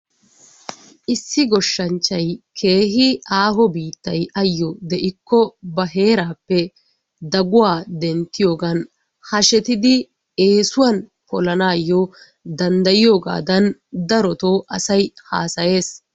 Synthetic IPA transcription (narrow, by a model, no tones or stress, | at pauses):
ʔɪsːɪɡɔʃːɐnt͡ʃːɐjkʰe̞ːɦɪaːɦɔbiːt̪ːɐjɐjːɔd̪ɛʔɪkːɔbɐɦe̞ːɾaːpːɛ | d̪ɐɡʊwaːd̪ɛnt̪ːɪjo̞ːɡɐn | hɐʃɛt̪ɪd̪ɪ | e̞ːsʊwɐnpɔlɐnaːjːɔ | d̪ɐnd̪ɐjɪjo̞ːɡa̰ːd̪ɐnd̪ɐɾɔt̪oːʔɐsɐjha̰ːsɐje̞ːs